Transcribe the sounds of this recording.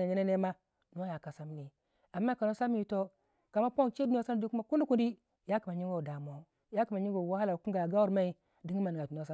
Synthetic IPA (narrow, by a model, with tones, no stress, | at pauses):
a˨ɲe˦ne˦ne˦ma˦ | nu˦a˦ja˨ka˨sa˦m˦ni˨ | a˨mːa˦ka˨no˦sa˦m˦i˨to˦ | ka˨ma˦po˦nt͡ʃe˦du˦no˦sa˦n˨du˦kma˨ku˦ndi˦ku˦ndi˦ | ja˦ki˨ma˨ɲi˦ŋɡo˦˨da˨mo˨˦ | ja˦ki˨ma˨ɲi˦ɡo˨wa˦ha˦la˨u˨ku˦ŋ˦ɡa˨ja˨ɡa˦u˦ɾma˦i˦ | di˦ɡi˦ma˨ni˨ɡa˨du˨n˨o˦sa˦